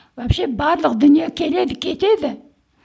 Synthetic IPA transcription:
wæpʃebɑɾlˠəqd̪ʏnijekʲʰe̞le̞d̪ɪkʲʰe̞t̪e̞d̪ɪ

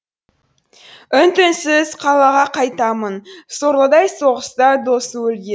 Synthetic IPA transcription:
ʏnt̪ɪnsɪzqʰɑlˠɑʁɑqʰɑjt̪ɑmənsoɾlˠəd̪ɑjso̞ʁəst̪ɑd̪o̞swɵlɡʲe

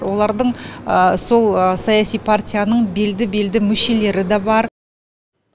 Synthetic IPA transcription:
wo̞lˠɑɾd̪əɴəso̞lˠəsɑjasijpʰart̪ʲijanəɴbe̞ld̪ɪbe̞ld̪ɪmʏʃe̞le̞ɾɪd̪ɑbɑɾ

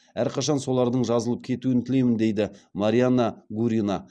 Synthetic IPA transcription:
æɾqʰɑʃɑnso̞lˠɑɾd̪əɴʒɑzəlˠəp̚kʲʰe̞t̪uɪnt̪ʰɪle̞mɪnd̪e̞jd̪ɪmaɾʲijanːaɡuɾʲinɑ

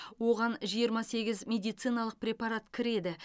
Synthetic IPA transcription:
wo̞ʁɑnʒijəɾmɑse̞ɡʲɪzmʲe̞d̪ijt̪sɨjnɑlˠəq̚pɾʲe̞pɑɾat̪kʲʰɪɾe̞d̪ɪ

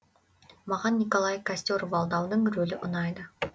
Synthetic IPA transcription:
mɑʁɑnːikolˠɑjkasʲt̪ʲjoɾvɑlˠd̪ɑwd̪əɴɾɵlɪʔʊnɑjd̪ə

